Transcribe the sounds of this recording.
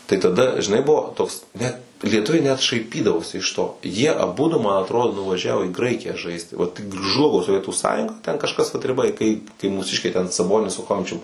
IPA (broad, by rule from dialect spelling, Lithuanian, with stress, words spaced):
tɐɪ tɐˈdɐ ʒʲɪˈnɐɪ ˈbʊʋoː toːks ˈnʲɛt lʲiɛˈtʊʋʲɛɪ nʲɛt ʃɐɪˈpʲiːdɐʋoːsʲɪ ɪʃ ˈtoː jiɛ ɐˈbʊdʊ mɐn ɐˈtroːdoː nʊʋɐˈʒʲæːʋoː iː ˈɡrɐɪkʲɪjæː ˈʒɐɪsʲtʲɪ ˈʋɐt ˈʒlˠʊɡoː soːˈʋʲiɛtuː ˈsɑːjʊŋɡɐ tʲɛn kɐʃˈkɐs ʋɐt rʲɪˈbɐ ɪ kɐɪ kɐɪ muːˈsʲɪʃʲkʲɛɪ tʲɛn sɐˈboːnʲɪs sʊ ˈxoːmʲɪt͡ʃʲʊm